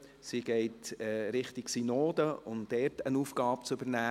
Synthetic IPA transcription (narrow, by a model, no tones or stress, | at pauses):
siɡ̥ɛɪtɛɾɪχtɪksinoːd̪əʊnd̥ɛːɾtənuːfɡ̥ɑːp̚t͡sʏbəɾnæː